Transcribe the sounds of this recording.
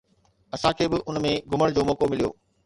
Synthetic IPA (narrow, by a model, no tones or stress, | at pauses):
ɐsãkʰeːbɪʔʊnmẽɡʱʊməɽ̃d͡ʑoːmɔːkomɪlijo̰ː